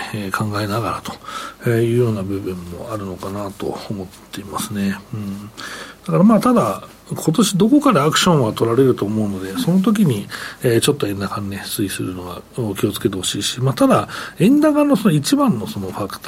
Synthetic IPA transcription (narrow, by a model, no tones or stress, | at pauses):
kʰãŋɡaenaɡaɾat̪o̞̥ejɯ̟ːjo̞ːnabɯ̟bɯ̟̃mːo̞̰aɾɯ̟no̞kanat̪o̞̰ːmo̞t̪ːe̞imasɨne̞ɯ̟̃ɴd̪̥akaɾamaːt̪ad̪a | kʰo̞t̪o̞ɕid̪o̞ko̞kaɾaakɯ̟̥ɕõ̞ɰ̃βat̪o̞ɾaɾe̞ɾɯ̟t̪o̞ːmo̞ɯ̟no̞d̪e̞so̞no̞t̪̬o̞k̬ʲiɲ̟ieːt͡ɕo̞t̪ːo̞ẽ̞nːakãnːesɨisɨ̰ɾɯno̞ɡa̰okʲio̞t͡sɨ̥ket̪e̞ho̞ɕiːɕi̥mat̪ad̪aẽ̞nd̪aɡano̞sonoit͡ɕibãnːo̞so̞no̞ɸakɯ̥t̪